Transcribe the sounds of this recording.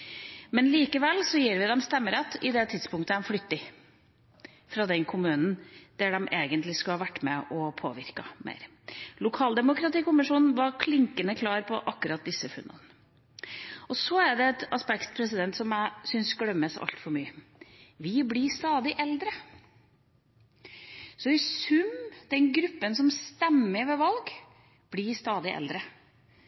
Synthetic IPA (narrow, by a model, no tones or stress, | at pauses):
mɛnliːkəʋɛlːsɔjiːɾʋɪd̪ɛmst̪ɛmːəɾɑt̪ːɪd̪ɛt̪ʰɪd̪spʰʊŋkt̪əɛmflʏt̪ːɪ | fɾɑd̪ɛnkʰʊmʉːnn̩d̪̥æɖɛmʔeːɡənt̪lɪskɑhɑʋæʈːmɛɔpʰo̰ːʋɪɾkɑmḛːɾ | lʊkʰɑːld̪ɛmʊkɾɑt̪iːkʊmɪʂuːnn̩ʋɑɾkʰlɪŋkənəkʰlɑːɾpʰɔʔɑkːʉɾɑt̪̚d̪ɪsːəfʉ̰nːə̰nə | ɔsɔæɾɖɛɛt̪ɑspɛkt̪pʰɾɛsɪd̪ɛnt̪sɔmjæɪsʏnsɡɽœmːəsɑ̰lt̪fɔɾmyːəʋɪblɪɾst̪ɑːd̪ɪʔɛld̪ɾə | sɔɪsʉmd̪̥ɛnɡɾʉpːənsɔmst̪ɛmːəɾʋɛʋɑlɡ | b̥lɪɾst̪ɑːd̪ɪʔɛ̰ld̪ɾə